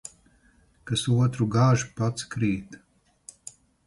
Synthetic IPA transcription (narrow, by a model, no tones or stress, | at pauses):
kasuɔt̪ɾuɡaːʒupat̪skɾiːt̪